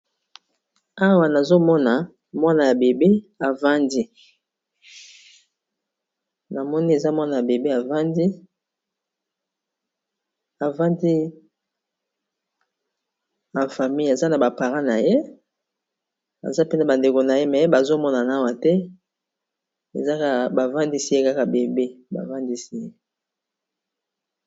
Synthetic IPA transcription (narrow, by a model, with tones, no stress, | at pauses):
a˦wa˨na˨zo˦mɔ˦na˨ | mwa˦na˨ja˨be˨bi˦a˨va˦ndi˦ | na˨mɔ˦ni˦e˨za˦mwa˦na˨ja˨be˨be˦a˨va˦ndi˦ | a˨va˦ndi˦ | a˨fa˨mi˦ja˨za˦na˨ba˨pa˨ʁã˦na˨je˦ | a̰˨za˦pe˦nda˨ba˨nde˨ko˨na˨je˦mɛ˨˦ba˨zo˦mɔ˦na˨na˨˦wa˨tɛ˦ | e˨za˦ka˦ba˨va˦ndi˦si˦je˦ka˦ka˨be˨be˦ba̰˨va˦ndi˦si˦je˦